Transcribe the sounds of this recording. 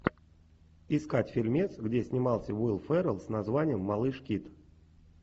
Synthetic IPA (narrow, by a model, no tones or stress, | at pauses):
ɪskatʲfʲɪlʲmʲet̪sɡdʲesʲnʲɪmɑlˠsʲəvulˠfɛɾəlˠsnɐzvanʲɪjəmːɐlˠɨʂkʲit̪